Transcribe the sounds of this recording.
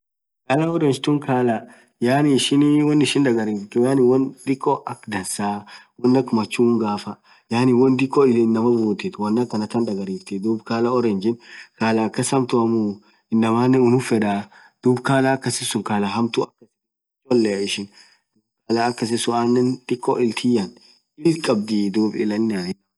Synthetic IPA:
kaːlɐɔɾɛnd͡ʒt̪ʊŋkʰaːlɐ | jaːniːʃɪnwɔnːɪʃɪnd̪ɐɡɐɾiːft̪ɪjaːnɪwɔnd̪ɪkʼːɔʔɐkd̪ɐnsaː | wɔnːɐkmɐt͡ʃːuːŋɡaːfɐ | jaːnɪwɔnd̪ɪkʼːɔɪɪnːɐmɐbuːt̪ɪt̪wɐnːɐkːɐnɐt̪ɐnd̪ɐɡɐɾiːft̪ɪd̪uːbkaːlɐɔɾɛnd͡ʒɪnkaːlɐːkːɐsɐmt̪ʊɐmu | ɪnːɐmaːnːɛʊnʊfɛᶑa | d̪̥uːbkaːlakːɐsɪsʊŋkaːlɐɦɐmt̪ʊɐkːɐsɪ | t͡ʃɔlːɛɪʃɪn | d̪ukaːlaːkːɐs̬ɪsʊaːnːɛnd̪̥ɪkːɔʔɪlt̪ʰijɐn | ɪlkʼɐb̚d̪id̪uːbɪlɐnːɐ

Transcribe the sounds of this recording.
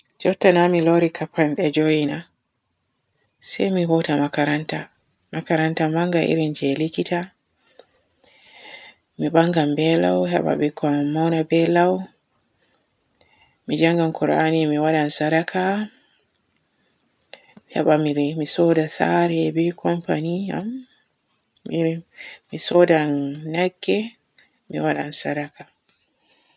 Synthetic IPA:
d͡ʒɔtːanamilɔɾikʰapːanɗɛd͡ʒoina | sɛjmihɔtamakaɾanta | makaɾantambaŋɡaʔḭɾind͡ʒɛlikita | miɓaŋɡambɛla̰whɛ̰ɓa̰ɓikʰɔmawnabɛlaw | mid͡ʒaŋɡankʰɔɾanimiwaɗansaɾakʰa | hɛ̰ɓamiɾmisɔdasa̰ɾɛbɛkʰɔmpanija̰m | imisɔdanːaɡːɛ | mḭwaɗa̰nsaɾaka

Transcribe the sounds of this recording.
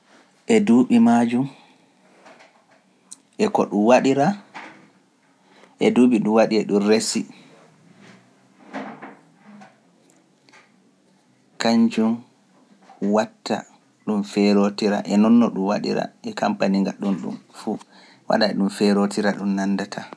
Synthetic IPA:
ʔɛduːɓimad͡ʒum | ʔɛkɔ̰ɗumwaɗiɾa | ʔɛduːɓiɗuwaɗiɛɗumresi | kaɲd͡ʒum | watːa̰ | ɗumfɛɾotiɾa̰ʔɛnɔnːɔɗumwa̰ɗḭɾa̰ʔɛkampaniŋɡaɗunɗṵmfu | wa̰ɗaɛɗumfɛɾotiɾaɗumnandatʰa

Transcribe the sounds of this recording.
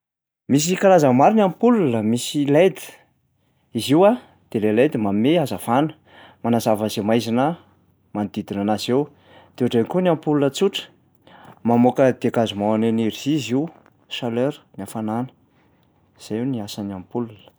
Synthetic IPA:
mis̬ikaɾazəmaɾinampululəmisilejd̪i̥ | iziwa | d̪̥elelejd̪imameazav̥anə̥ | manazavəzemajzina | manid̪id̪inanazew | d̪̥euʈ͡ʂenkuniampulunət͡suʈ͡ʂə̥ | mamokəd̪̥eakazumawaneniɾiziziw | ʃaløɾnafananə̥ | z̥ajuniasaniampulunə̥

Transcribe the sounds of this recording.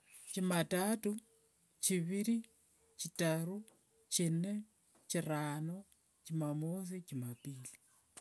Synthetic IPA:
t͡ʃimatatu | t͡ʃiβiɾi | t͡ʃitaɾu | t͡ʃine | t͡ʃirano | t͡ʃimamosit͡ʃimapili

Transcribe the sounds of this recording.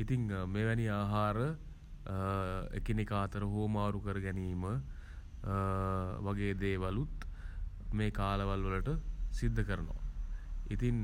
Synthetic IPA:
it̪iŋmeːʋɛniaːɦaːɾə | ḛkinikaːt̪əɾəɦoːmaːɾukəɾəɡɛniːmə | ʋaɡeːd̪eːʋalut̪ | meːkaːləʋalʋələʈəsid̪ʱːəkəɾəno̰ʋ | it̪iŋ

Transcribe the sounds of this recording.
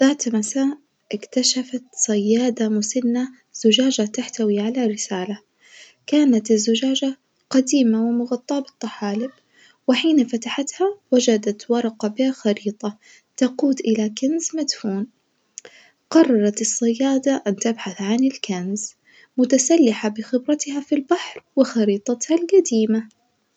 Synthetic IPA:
ðaːt̪masaːʔ | ʔɪkt̪aʃafat̪sˤɑjːɑːd̪amʊsanːa | z̥ʊd͡ʒaːd͡ʒat̪aħt̪awiʕalaɾɪsaːla | kaːnat̪ɪzːʊd͡ʒaːd͡ʒa | qɑd̪iːmawɪmʊɣɑt̪ˤːɑːbɪ̥t̪ˤːɑħaːlɪb | wɪħiːnafat̪aħat̪hawad͡ʒad̪at̪wɑɾˤɑqɑbɪhaxɑɾiːt̪ˤɑ | t̪ɑquːd̪ʔɪlakanzmad̪fuːn | qɑrˤːɑɾˤɑt̪ɨsˤːɑjːaːd̪aʔant̪abħaθʕanɪlkanz | mʊt̪asalːɪħabɪxɪbɾɑt̪ɪhafilbaħɾˤwɪxɑɾiːt̪ˤɑt̪halɡad̪iːma

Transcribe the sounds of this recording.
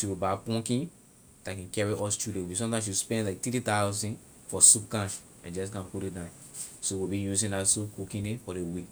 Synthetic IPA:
ʃiwibapɔ̃ŋkĩn | d̥akɛ̃nkɛɹiʔɔstudewisɔ̃mtãɪ̃ms̬ispɛ̃ndlaɪk̚tititaʊzɔ̃n | fɔsupkãʃ | ãnd͡ʒɔs̬kãpuɾit̚dãʊ̃n | sowibĩjuzĩndatsup̚kukĩndefɔdewi

